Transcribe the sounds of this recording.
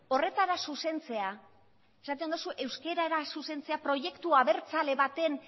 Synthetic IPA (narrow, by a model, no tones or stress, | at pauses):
o̞re̞t̪aɾasuse̞nt͡se̞a | e̞sat̪̬end̪usuʔe̞wske̞ɾaɾasuse̞nt͡se̞apɾo̞ʝe̞kt̪uaβe̞ɾt͡sale̞βat̪e̞n